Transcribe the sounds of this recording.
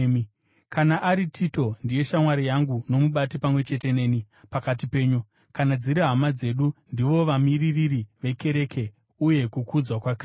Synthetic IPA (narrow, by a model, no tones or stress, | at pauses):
kʰanaʔaɾitʰito̞ndije̞ʃamwaɾijaŋɡuno̞muɓatipamwe̞t͡ʃe̞te̞ne̞ːni | pakatipe̞ːɲu | kanad͡ziɾiɦamad͡ze̞ɗundiʋo̞ʋamiririɾiʋe̞ke̞ɾekʰe̞ | uje̞kukud͡zwakwakr